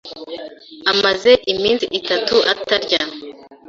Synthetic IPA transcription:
amaze̞ʔimiːnsiʔːtatuʔa̰taɾɟa

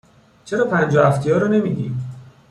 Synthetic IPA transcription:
t͡ʃʰe̞ɾɒːpʰænd͡ʒɒːæft̪ʰijɒːɾɒːne̞miːd̪iːm

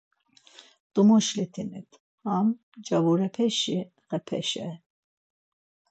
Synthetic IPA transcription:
d̪̥umuʃlit̪ʰinit̪ʰ | ham | d͡ʒavuɾɛpʰɛʃi | ɣɛpʰɛ̰ʃɛ

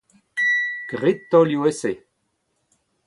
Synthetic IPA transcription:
ɡ̥ʁit̪ːɔljuese

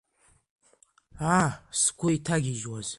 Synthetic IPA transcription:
askʷʰʊitʰaɡʲiʒwaz̥

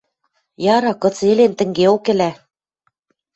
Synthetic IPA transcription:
jɑɾɑkɤ̆t͡selent̪ɘ̆ŋɡeokɘ̆læ

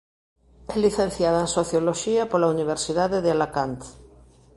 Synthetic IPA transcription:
ɛliθẽnθjaðaẽnsoθjoloʃiapolauniβ̞eɾsiðaðeðealakant̪

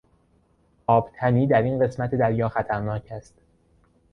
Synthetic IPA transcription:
ʔɒːb̥t̪ʰæniːd̪æɾinɢe̞smæt̪ʰed̪æɾjɒːxæt̪ʰæɾnɒːcʰæst̪

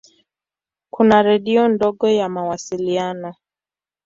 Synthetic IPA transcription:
kʰunaɾɛɗiɔndɔɠɔjamawasilianɔ

